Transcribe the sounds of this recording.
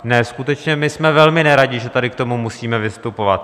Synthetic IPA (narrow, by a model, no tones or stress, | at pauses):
nɛskut̪ɛt͡ʃɲɛmɪsmɛvɛlmɪnɛɾaɟɪʒɛt̪adɪkt̪o̞mumusiːmɛvɪst̪upo̞vat̪